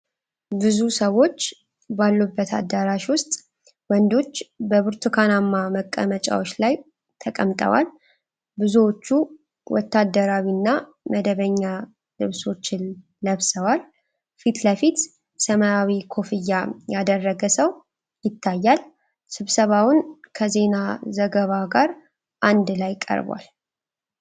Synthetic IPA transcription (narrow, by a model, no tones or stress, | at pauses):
bɨzusəwo̞t͡ʃː | balːubːət̪ʰa̰d̪ːaɾaʃwʊst̪ʼ | wɔnd̪o̞t͡ʃːbəβɨɾt̪ʰukʰanamːaməkʼːə̰mət͡ʃʼa̰wot͡ʃːlaj | t̪ʰəkʼəmt̪ʼə̰wa̰l | bɨzuwot͡ʃːu | wɔ̰t̪ːad̪ːəɾawinːa | məd̪əβəɲːa | lɨβso̞t͡ʃːɪn | ləβsəwal | fit̪ləfit̪ | səmaawikʰo̞fɨjːajad̪ərːəɡəsəw | jɪt̪ʰːajːal | sɨβsəβawʊnkʰəze̞nazəɡəβaɡaɾ | ʔand̪lajkʼə̰ɾba̰l